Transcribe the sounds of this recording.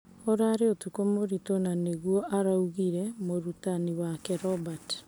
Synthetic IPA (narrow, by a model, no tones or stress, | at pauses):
oɾaɾeotukomoɾitonaneɣuɔʔaɾauɣiɾɛmoɾutaniwakɛɾɔbat